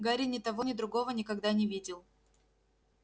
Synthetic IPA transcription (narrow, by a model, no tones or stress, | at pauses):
ɡaɾʲɪnʲɪt̪ɐvo̞nʲɪd̪ɾʊɡo̞vənʲɪkɐɡd̪anʲɪvʲidʲɪlˠ